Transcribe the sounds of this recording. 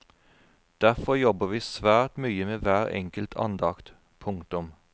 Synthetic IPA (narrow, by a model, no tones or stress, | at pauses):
d̪̥æfɔjɔbəʋiːsʋæːʈ̪myːəmeːʋæːʁɛ̰ŋkəlt̪ʰɑ̰nd̪ɑkt̪ | pʰʊŋkt̪ʊm